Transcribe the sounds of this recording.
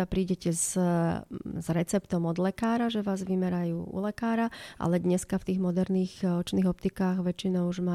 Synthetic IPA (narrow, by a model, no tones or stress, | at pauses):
apɾiːɟɛcɛz | zɾɛt͡sɛpt̪ɔmɔd̪lɛkaːɾaʒɛʋaːzʋimɛɾajuːṵlɛkaːɾaʔa̰lɛd̪ɲɛskaft̪iːɣmɔd̪ɛɾniːɣɔt͡ʃniːɣɔp̚t̪ikaːɣʋɛt͡ʃːinɔʊuʒma